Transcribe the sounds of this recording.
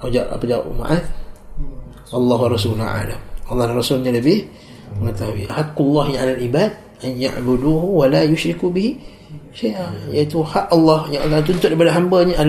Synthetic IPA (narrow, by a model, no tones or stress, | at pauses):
od͡ʒaʔa̰pəd͡ʒao̰ʔma̰ʔat̪ | ʔɑlˤːɑɦuwarˤɑsula̰ʕa̰la̰mʔɑlːɑhlarɑsulɲaləbɪh | məŋət̪aɦuḭʔahakulːɑhɲaalalʔibad̪̚ | ʔanja̰ʔbuduɦuwalajʊʃɾikubihi | ʃajʔajait̪uhaʔɑlːɑhjaŋakat̪̬unt̪ʊt̪̚ʔipadaɦambəɲaʔa